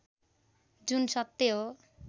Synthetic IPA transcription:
d͡ʒunsʌt̪ːeo

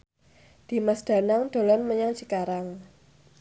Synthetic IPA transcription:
d̪̥i̤masd̪̥a̤naŋd̪̥o̤lɔnməɲaŋt͡ʃikaɾaŋ

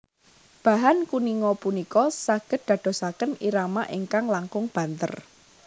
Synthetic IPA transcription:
b̥ä̤ɦankuniŋɔpunikɔsaɡ̥ə̤t̪̚d̪̥ä̤d̪̥o̤sakəniɾamaʔiŋkaŋlaŋkʊŋb̥ä̤nt̪ə̰r

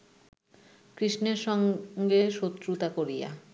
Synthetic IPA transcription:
kɾiʃneɾʃɔŋɡeʃot̪ːɾut̪akoɾija̰

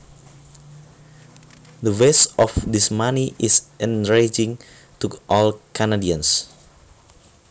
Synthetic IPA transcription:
dəwesɔfdismaniʔisʔɛ̃nɹed͡ʒɪ̃ŋ | t̪uʔɔlkʰanadiãns

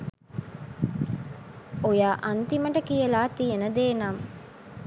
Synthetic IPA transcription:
ojaːʔɐnt̪iməʈəkijəlaːt̪ijenəd̪eːnaːm

